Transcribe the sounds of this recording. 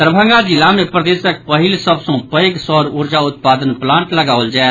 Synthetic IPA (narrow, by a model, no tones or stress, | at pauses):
əɾbʱə̃ŋɡad͡ʒɪlamẽpɾəd̪eːsək̚pəɦɪlsɐbsõpəeɡsɔːɾʊɾd͡ʒaʊt̪̚paːd̪ənplãːɳʈləɡaːʋəld͡ʒaː